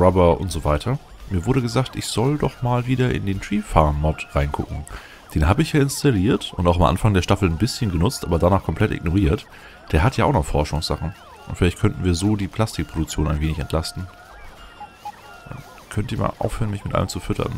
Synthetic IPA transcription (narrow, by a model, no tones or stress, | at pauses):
ʁabɐʔʊ̰ntz̥oːvaɪtʰɐ | miːɐvʊɐɾəɡəzaːktʔɪçz̥ɔldɔχmaːlviːdɐʔɪ̰ndeːntʁ̥iːfamːɔtʁaɪnɡʰʊ̰kŋ̩ | d̥eːnɦaːbəɪçjaːɪnstʰaliːɐtʔʊntaʊxamʔa̰nfaŋdeːɐʃtafl̩nbɪsçənɡənʊt͡stʔa̰ːbɐdanaːχkʰɔmpʰl̥ɛtʔɪ̰ɡnoʁiːɐt | d̥eːɐɦatjaːʔaʊnɔχfɔɐʃʊŋsz̥a̰χn̩ | ʔʊntfɪlaɪçtkʰœntn̩viːɐzoːdiːpʰl̥astɪk̚pʰʁ̥odʊk̚t͡sjoːnaɪnveːnɪçɛntʰl̥astn̩ | ma̰n | kʰœntiːɐma̰ʔa̰ʊfhøːʁənmɪçmɪtʔa̰ləmt͡sufʏtʰɐ̰n